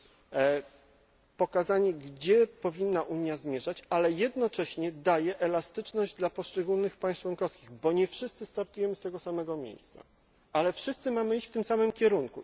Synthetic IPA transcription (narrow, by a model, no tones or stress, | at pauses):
pɔkazaɲɛɡd͡ʑɛpɔvʲinːaʔuɲjazmʲjɛʐat͡ɕalɛjɛd̪nɔt͡ʂɛɕɲɛd̪ajɛʔɛlast̪ɘt͡ʂnɔʑd͡ʑd̪lapɔʂt͡ʂɛɡulnɘxpaj̃s̚t͡ʂwɔnkɔfskʲiɣbɔɲɛfʂɘst̪sɘst̪aɾt̪ujɛmɘst̪ɛɡɔsamɛɡɔmʲjḛjst̪sa̰ | alɛfʂɘst̪sɘmamɘiɕt͡ɕft̪ɘmsamɘmkʲɛɾuŋku